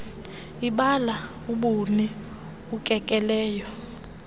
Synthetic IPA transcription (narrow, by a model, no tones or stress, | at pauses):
iɓala | uɓuni | ukʼɛkʼɛlɛːjɔ